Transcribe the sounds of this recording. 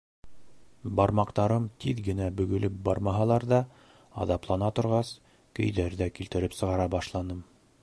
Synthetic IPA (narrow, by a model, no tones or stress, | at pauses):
bɑɾmɑqt̪ɑɾɤmt̪ʰiðɡɘ̆næbɵ̆ɡɵ̆lɘp̚bɑ̰ɾmɑɦɑlˠɑɾðɑ | ɑ̰ðɑplˠɑnɑt̪ŏɾʁɑs | kɵ̰̆jðæɾðækilt̪ɘ̆ɾɘpsɤ̆ʁɑɾɑbɑʃlˠɑnɤm